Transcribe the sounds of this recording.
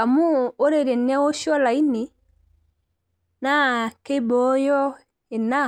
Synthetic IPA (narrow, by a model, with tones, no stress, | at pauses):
a˨mu˦o˦ɾe˨ɾe˨n˦a˦wɔ˦ʃɔ˦la˨i˦ni˨ | na˦ke˦bɔ˨˦jɔ˦ | e˨na˦˨